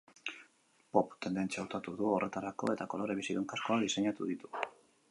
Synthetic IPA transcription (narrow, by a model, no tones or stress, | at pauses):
po̞pt̪end̪e̞nt͡sawt̪at̪uðuo̞rʔe̞t̪aɾako̞̰e̞t̪ako̞lo̞ɾe̞βisiðuŋkasko̞aðise̞ɲat̪uðit̪u̥